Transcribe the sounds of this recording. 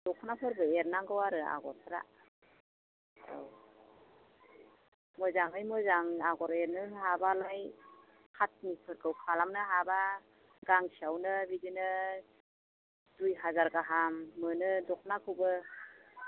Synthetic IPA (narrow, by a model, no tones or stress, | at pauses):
d̥ɔkʰnapʰɯɾbɯeɾnaŋɡɯwaɾɯa̰ɡɔɾpʰɯɾa̰ | a̰w | mɔjzaŋɯjmɯzaŋaɡɔɾeɾnɯɦabalaj | kʰat̚nipʰɯɾkʰɯwkʰalamnɯɦaba | ɡaŋsiawnɯbidinɯ | dujɦazaɾɡaɦamːɯnɯdɔkʰnakʰɯwbɯ